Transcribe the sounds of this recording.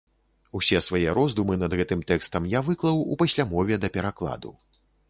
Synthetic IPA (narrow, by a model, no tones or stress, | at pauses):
usʲɛsvajɛɾɔzd̪umɨnɐd̪ɣɛt̪ɨmt̪ɛkst̪ɐmjavɨklˠɐwṵpasʲlʲamɔvʲɛd̪ɐpʲɛɾaklˠa̰d̪ṵ